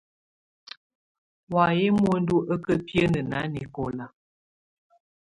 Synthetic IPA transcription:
wa˨je˦mwo˦n̩˦du˦ʔə˦kə˦pjə˦nə˨na˨˦ni˨ko˨la˨

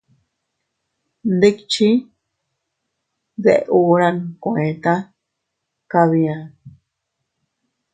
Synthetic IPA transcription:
nd̪e˦kt͡ʃi˦ | ðḛ˧ʔʔu˧ɾã˧nkõ˧ʔẽ˨t̪ã˦ | ka˧βi˧ã˧

